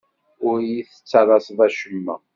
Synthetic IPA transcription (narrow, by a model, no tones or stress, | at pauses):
ʊɾjiθə̥t͡sːɑɾˤɑsðˤæʃəmːæ̰